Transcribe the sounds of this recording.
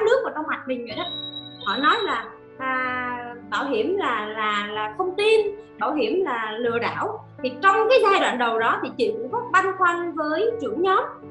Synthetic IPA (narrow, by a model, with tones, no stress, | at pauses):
aː˨˦nɨ˦˥ək̚vaː˧˩k̪ə˧ŋ͡mhwa˨˩k̚mï̟˨˩və̰˨˩ɗaː˨˦hɔ̰˧˨nɔ˨˦jlaː˨˩ | ʔəː˨˩ɓaː˧˩wɦi˧˩əmlaː˨˩laː˨˩laː˨˩xə˧wŋ͡mt̪i˧nɓaː˧˩wɦi˧˩əmlaː˨˩lɨ̰˧˨əɗa̰ː˧˩wt̪ʰi˨˩t͡ɕɔ˧wŋ͡mkaː˨˦jzaː˧jɗwa̰ː˧˨nɗə˨˩wɗɔ˨˦t̪ʰi˨˩t͡ɕɨ̰˧˨kʊ̰˧˥ŋ͡mvɔ˦˥t̚va˧nxwa˧ŋ̟vəː˨˦jt͡ɕɨ˧˩əŋɲɔ˨˦m